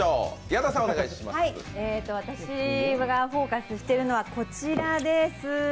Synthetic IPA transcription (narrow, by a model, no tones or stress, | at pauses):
oːijad̪asãoneɡait̪ḁɕima̰ieːt̪ːo̞β̞at̪aɕiɡaɸo̞ːkasɨɕi̥t̪e̞ɾɯ̟no̞βako̞t͡ɕiɾad̪e̞sɨ